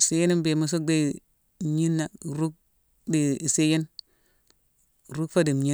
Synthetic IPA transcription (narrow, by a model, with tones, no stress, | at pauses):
se˦je˦ni˦mbe˨mu˨s̬o˦k̚de˦˨ | ɲi˦nːa˨ɾu˦k̚ | di˨i˨se˦je˦n˨ | ɾu˦kfa˦di˨m˨ɲi˦